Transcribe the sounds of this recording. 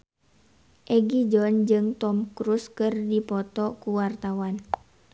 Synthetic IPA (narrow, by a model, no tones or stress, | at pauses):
ʔɛɡid͡ʒɔnd͡ʒɨŋt̪ɔmkɾuskɨrdipɔt̪ɔkuwart̪awan